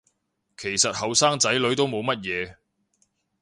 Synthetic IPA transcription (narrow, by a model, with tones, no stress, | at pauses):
kʰe˨˩jsɐ˨t̚hɐ˨wsaː˥ŋt͡sɐ˨˥jlɵ˨˥ɥt̪o˥wmo˨˧wmɐ˥t̚jɛː˨˧